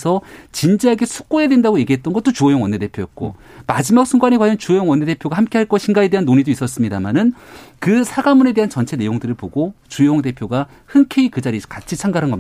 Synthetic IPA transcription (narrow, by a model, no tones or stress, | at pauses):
sʰʌt͡ɕind͡ʑiɦaɡe̞sʰu̥k̚k͈ojedwe̞ndaɡoje̞ɡiɦe̞t̚t͈ʌnɡʌt͈ot͡ɕuojʌŋwʌnːe̞de̞pʰjojʌt̚k͈o̰mad͡ʑimak̚s͈ʰuŋɡwanikwajʌnt͡ɕuojʌŋwʌnːee̞pʰjoɡahamk͈eɦaɭk͈ʌɕʰiŋɡaedeɦanːoɲidois͈ʌs͈ɯmɲidamanɯnkɯsʰaɡamune̞de̞ɦant͡ɕʌnt͡ɕʰene̞joŋdɯɾɯɭpoɡot͡ɕujooŋde̞pʰjoɡa | hɯnkʰe̞ikɯd͡ʑaɾikat͡ɕʰit͡ɕʰaŋɡaɾɦanɡʌmɲi